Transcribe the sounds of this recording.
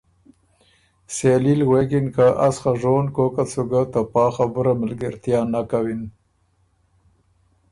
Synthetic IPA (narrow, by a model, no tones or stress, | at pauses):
selilwekɪnkaʔasxaʐonkokat͡suɡat̪apɑːxabʊɾamalɡaɾt̪jɑːnakawin